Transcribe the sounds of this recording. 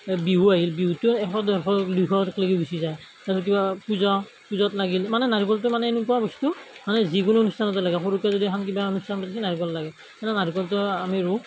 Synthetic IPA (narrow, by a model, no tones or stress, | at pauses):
biɦuaɦilbiɦutuɛkʰɔdɔxɔklikʰɔtkleɡibisizaj | taɔk̬ibapuzɔ | puzɔtlaɡilmanɛnaɹikɔlt̬ʊmanɛenukɔabɔstumanɛzikʊnʊonustʰanɔtɔlaɡɛxoɹukazodikʰankibaonustʰanɔpɔdas̬inaɹikɔllaɡɛ | ɛnɛnaɹikɔlt̬ʊamiɹu